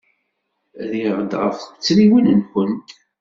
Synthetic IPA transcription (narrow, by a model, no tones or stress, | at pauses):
ðiʁd̪ʁə̰fət͡sːɾiwənənxənt̪